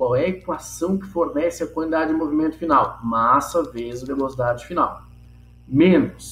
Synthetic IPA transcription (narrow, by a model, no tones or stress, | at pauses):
kwawɛekwasɐ̃w̃kɪfoɾnɛsɪɐkwɐ̃id̪ad͡ʒɪd͡ʒɪmovimẽnt̪ʊfinawmasɐvezɐvelosid̪ad͡ʒɪfina̰w | mẽnʊs